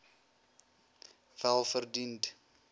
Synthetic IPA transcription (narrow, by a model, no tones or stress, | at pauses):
vælˠfərdint